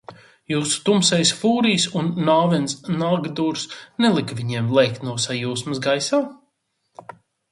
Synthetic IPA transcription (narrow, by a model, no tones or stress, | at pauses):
juːsu̥t̪umsɛjsfuːɾijsunːaːvɛnsnaɡd̪uːɾsnɛlˠikvʲiɲemlˠɛjk̚t̪nuɔsajuːsmɐsɡajsaː